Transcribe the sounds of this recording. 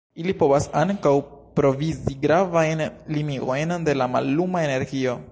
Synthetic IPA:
ilipo̞vasaŋkawpɾo̞viziɡɾavajnlimio̞jnde̞lama̰lːumae̞ne̞ɾɡio̞

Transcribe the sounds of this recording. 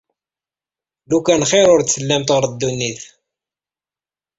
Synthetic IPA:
lukænχeɾʊɾt̪səlːæmt̪ʁəɾd̪ːunːiθ

